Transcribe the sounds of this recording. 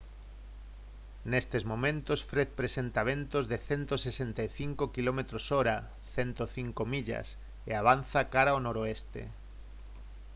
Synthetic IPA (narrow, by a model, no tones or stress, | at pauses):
nest̪ezmõmẽnt̪osfɾeθpɾesent̪aβ̞ent̪ozðeθent̪osesent̪ajθiŋkokilomet̪ɾosoɾa | θent̪oθiŋkomiʎa̰s | ḛaβ̞an̟θakaɾaonoɾoest̪ḛ